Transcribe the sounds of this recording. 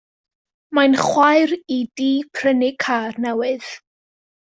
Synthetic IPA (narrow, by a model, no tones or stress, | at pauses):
manχwajɾidiːpʰrənɪkʰaːrnɛwɨð̥